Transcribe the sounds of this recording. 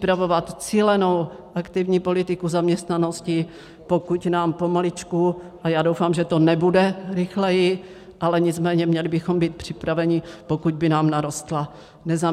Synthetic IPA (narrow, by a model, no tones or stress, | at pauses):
pɾavovat̪t͡siːlɛno̞wʔakt̪ɪvɲiːpo̞lɪt̪ɪkuzamɲɛst̪nanoscɪ | po̞kucnaːmpo̞malɪt͡ʃkuʔajaːdo̞wfaːmʒɛt̪o̞nɛbudɛɾɪxlɛjɪ | ʔalɛɲɪt͡smɛːɲɛmɲɛlɪbɪxo̞mbiːt̪̚pr̝̥ɪpɾavɛɲɪpokuɟ̚bɪnaːmnaɾo̞st̪la | nɛza